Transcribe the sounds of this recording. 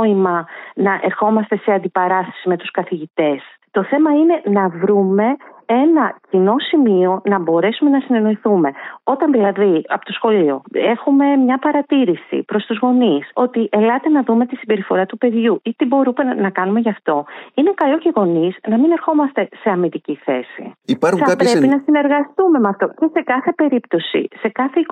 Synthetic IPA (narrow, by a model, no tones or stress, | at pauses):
imɐnɐʔe̞ɾxo̞mɐst̪e̞se̞ɐnd̪ipɐɾɐsɐ̥sime̞t̪uskɐθiʝit̪e̞s | t̪o̞θe̞mɐine̞nɐvɾume̞e̞nɐcino̞simio̞nɐbo̞ɾe̞sume̞nɐsine̞no̞iθume̞o̞t̪ɐnðilɐðiɐpot̪o̞sxo̞lio̞̰e̞xume̞mɲɐpɐɾɐt̪iɾisḭpɾo̞st̪uzɣo̞niso̞t̪iʔelɐt̪e̞nɐðume̞t̪isibe̞ɾifo̞ɾɐt̪upe̞ðʝuit̪ibo̞ɾume̞nɐkɐnume̞ʝɐft̪o̞inekɐlo̞ceɣo̞niznɐmine̞ɾxo̞mɐst̪e̞se̞ɐmid̪iciθe̞̰sḭpɐxɐppepinɐsine̞ɾɣɐst̪ume̞mɐft̪o̞ce̞se̞kɐθe̞pe̞ɾipt̪o̞sḭse̞kɐθei